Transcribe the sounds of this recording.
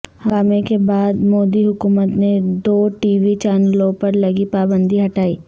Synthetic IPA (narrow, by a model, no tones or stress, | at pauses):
hɐ̃aːmekebaːd̪moːd̪iɦʊkuːmət̪ned̪oːʈiːʋit͡ʃaːnlõpɐɾlɐɡipaːbə̃nd̪ʱiɦɐʈaːiː